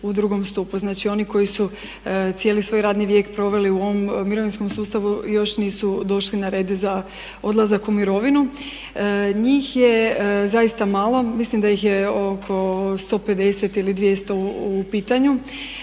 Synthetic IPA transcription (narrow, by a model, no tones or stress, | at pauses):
ud̪ɾuɡo̞mst̪upuznaːt͡ʃio̞niko̞jisu | t̪sije̞ːlisʋojɾaːd̪niʋje̞ːkpɾo̞ʋe̞liuo̞ʋommːiɾo̞ʋinsko̞msuːst̪aʋujo̞ʃniːsud̪o̞ʃlinaɾe̞ːd̪za | o̞d̪lˠazakumiɾo̞ʋinu | ɲiːxje̞zajist̪amaːlˠo̞mislimd̪ajixje̞o̞kʰo̞st̪o̞pe̞d̪eset̪ilid̪ʋjest̪o̞upiːt̪aɲu